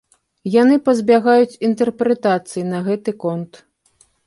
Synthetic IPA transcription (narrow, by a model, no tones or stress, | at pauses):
janɨpɐzʲbʲaɣajut͡sʲint̪ɛrpɾɛt̪at̪sɨjinɐɣɛt̪ɨkɔnt̪